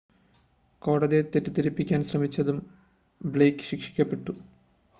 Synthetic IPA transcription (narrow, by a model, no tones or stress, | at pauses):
ko̞ːɽɐðiet̪etːut̪iɾipːikʲːaːnɕrɐmit͡ɕːɐðum | bɭejkːɨ̥ɕikʂi̥kʲːɐpːe̞ʈːu